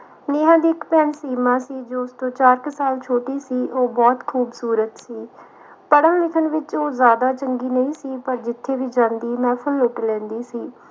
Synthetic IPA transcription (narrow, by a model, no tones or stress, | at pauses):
neːɦãːd̪iːɪkpɛːnsiːmãːsiːd͡ʒoːʊst̪õːt͡ʃaːɾkəsaːlt͡ʃʰoːʈiːsiːʔoːbɔːt̪kʰuːbsuːɾət̪siː | pəɽãːlɪkʰəɳʋɪt͡ʃoːzjaːd̪aːt͡ʃəŋɡiːnəĩːsiːpəɾd͡ʒɪt̪ʰːeːʋiːd͡ʒãːnd̪iːmɛ̃ːpʰʊlʊʈlɛ̃ːnd̪iːsiː